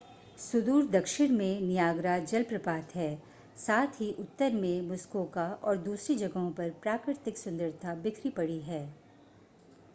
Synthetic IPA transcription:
sʊd̪uːɾd̪ɐkʃɪɽmẽnijaːɡɾad͡ʒɐlpɾɐpaːt̪ɦɛː | saːt̪ʰɦiʔʊt̪ːəɾmẽmʊskoːkaɔːɾd̪uːsɾid͡ʒɐɡɦõpɐɾpɾaːkɾɪɾt̪ɪksʊ̃nd̪əɾt̪ʰabɪkʰɾipɐɽiɦɛː

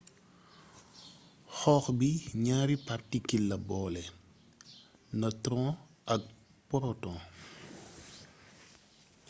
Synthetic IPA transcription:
xɔːxbiɲaːɾipartikilːɐbɔːlɛ | nɐtɾɔ̃ː | ʔɐk̚ | pɔɾɔtɔ̃ː

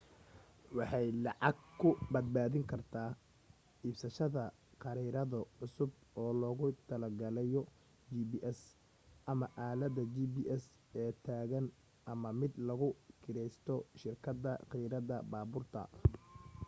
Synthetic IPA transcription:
wɑħɑjlɑʕɑɡkʰʊbɐd̪̚baːðɪŋkʰɐrt̪ʰaː | iːbsɐʃɐðɐ | qɑɾiɾɐðɐʕʊsʊbɔːlɔːɣʊt̪ʰɐlɐɡɐlɛjɔ | d͡ʒibiːʔɛs | ʔɐmɐʔaːlɐd̪ɐd͡ʒibiːʔɛs | ɛːt̪ʰaːɣɐn | ʔɐmɐmɪd̪lɐɣʊkʰɪɾɛjst̪ʰɔʃɪrkʰɐd̪ɐqijɾɐðɐbaːbʊrt̪ʰɐ̰

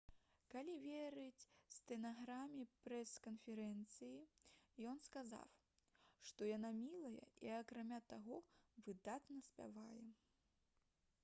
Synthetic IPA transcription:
kalʲivʲeɾɨt͡sʲst̪ɛnaɣɾamʲipɾɛskɐnfʲɛɾɛnt̪sɨjijɔnskaza̰w | ʂt̪ɔjanamʲilˠɐjɛ̰iɐkɾamʲat̪aɣɔvɨd̪at̪nɐsʲpʲa̰vajɛ

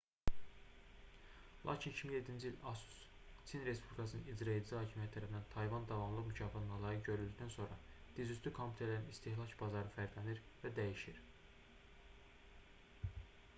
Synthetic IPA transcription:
lˠɑ̰ːcʰinicʰimiŋje̞d̪ːind͡ʒiilʲɑsu̥s | t͡s̪ʰinɾe̞spʰublʲikʰɑsɯnɯ̰nid͡ʒɾɑelzihɑːcʰimijæt̪ʰt̪ːʰæɾæfinænt̪ʰɑjvɑnd̪ɑvɑmlˠɯmycʰɑːfɑt̪ɯnɑlˠɑɾɯɟø̞ɾylʲd̪yct̪ʰænso̞nɾɑd̪̥izyst̪ʰykʰompʰʲu̥t̪ʰeɾlæɾinist̪ʰehlˠɑcbɑzɑɾɯfæɾd̪læniɾvæd̪æjiʃiɾ

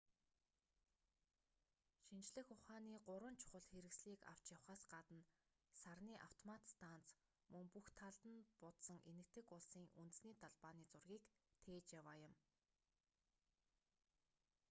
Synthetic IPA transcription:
ʃint͡ɕɮɘ̆xʊχaːniːɢʊɾwə̆nt͡ɕʰʊ̥χə̆ɮxeɾɘ̆ksɮiːka̰w̥t͡ɕjawχaːsɢat̪ə̆n | sarniːʔaw̥t̪ʰɔmat̪st̪ʰant͡s | mɵŋpuxt̪ʰaɮt̪ə̆npʊt̪sə̆ŋʔenɘ̆k̚t̪ʰɘ̆kʊɮsiːŋʔunt̪̆sniːt̪aɮpaːniːt͡sʊrɣʲiːkt̪ʰeːt͡ɕjawaːjʊ̆m

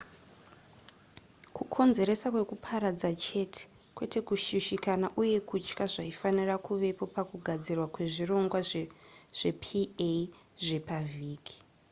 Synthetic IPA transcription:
kukʰo̞nze̞ɾe̞sakwe̞kupʰaɾad͡zat͡ʃe̞tʰe̥kwe̞te̞kuʃiʃikanaʔuje̞kut͡ʃkaʐaifanirakuʋe̞po̞pakuɡʱad͡zirwakwe̞ʐiro̞ŋɡwa | ʐ̥e̞pʰie | ʐe̞paviːki̥

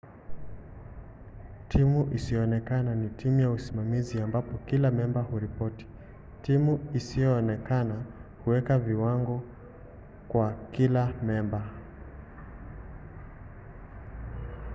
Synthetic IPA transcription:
tʰimuʔisijɔːnɛkananitʰimujausimamiziambapɔkilamɛmbahuɾipɔti̥ | timuisijɔːnɛkanahuwɛkaviwaŋɡɔ | kwakilamɛmba

